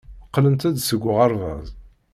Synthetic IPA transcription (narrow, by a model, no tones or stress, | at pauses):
əqːlənt̪æd̪səɡʷːʁɑɾˤvɑ̰zˤ